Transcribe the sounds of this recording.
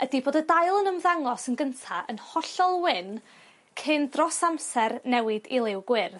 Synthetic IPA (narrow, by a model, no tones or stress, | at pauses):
ədiboːdədajlˠənəmðaŋlˠɔsənɡəntʰaʔə̰nhɔɬɔlˠwɪn | kʰɨndrɔsamsɛrnɛwɪdilˠɪwɡwɪr